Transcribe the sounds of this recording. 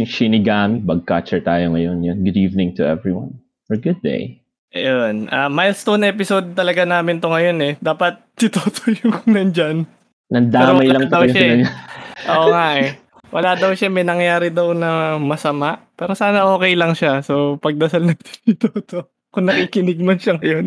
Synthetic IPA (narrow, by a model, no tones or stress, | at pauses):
ŋʃɪnɪɡanbɐɡ̚kat͡ʃɛɹt̪aːjoŋɐjonjonɡʊd̪iːvnɪ̃ŋt̪ʊʔɛ̰vɹiwɐ̰n | fɔɹɡʊd̪̚ːḛj | ʔjonʔɐmajlst̪onʔɛp̬ɪsod̪̚t̪ɐlɐɡanaːmɪnt̪oŋɐjo̞nɛd̪aːpɐt̪̚ːɪt̪oːt̪ʰojʊŋkʊŋnɐnd͡ʒan | nɐnd̪aɛɾomɐjlɐŋtd̪ɐwɐʃɐɲaʔoːŋaʔɛ | wʔɐ̰laːd̪ɐwʃamɛjnɐŋjaːɾɪd̪ɐwnɐmɐsɐmaʔpɛːɾo̞saːnɐʔo̞ːkɛjlɐŋʃaso̞pɐɡ̚d̪ɐsalnɐt̪ɪ̥ɪt̪oːt̪o | kʊŋnɐkiːkɪnɪɡ̚mɐnʃɐŋɐjo̞n